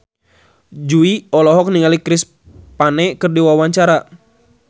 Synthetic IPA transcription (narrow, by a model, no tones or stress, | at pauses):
d͡ʒuiɔlɔɦɔk̚niŋalikɾɪs | panɛkɨrdiwawaɲt͡ʃaɾa